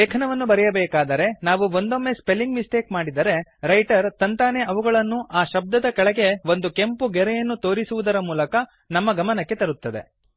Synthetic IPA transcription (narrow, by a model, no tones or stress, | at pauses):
eːkʰɐnɐʋɐnːubɐɾɛjɐbɛːkaːd̪ɐɾe̞naːʋuʋo̞nd̪o̞mːe̞spe̞lːiŋɡmisʈeːkmaːɽid̪ɐɾe̞ɾɐjʈɐɾt̪ɐnt̪aːneʔɐʋuɡɐɭɐnːuʔaːʃɐb̚d̪ɐd̪ɐkɐɭɐɡe̞ʋo̞nd̪uke̞mpuɡɛɾɛjɐnːut̪o̞ːɾisuʋud̪ɐɾɐmuːlɐkɐ | nɐmːɐɡɐmɐnɐkːe̞t̪ɐɾut̪ːɐd̪e̞̰